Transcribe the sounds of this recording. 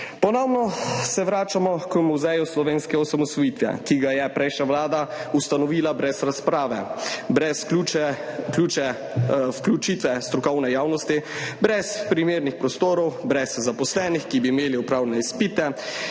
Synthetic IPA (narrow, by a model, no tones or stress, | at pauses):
pɔnɔwnɔsɛʋɾaːt͡ʃamɔkmuzɛjuslɔʋeːnskɛɔsamɔsʋɔjiːt̪ʋjɛ̰kiɡajɛpɾɛjʃnaʋlaːd̪aust̪anɔʋiːlabɾɛsɾaspɾaːʋɛbɾɛsuɛklʲuːt͡ʃɛ | fklʲut͡ʃit̪ʋɛst̪ɾɔkɔwnɛjaːwnɔst̪i | bɾɛspɾimeːɾnixpɾɔst̪oːɾɔwbɾɛzzapɔslɛːnixkibiːmeːliɔpɾaːwlɛnɛispiːt̪ɛ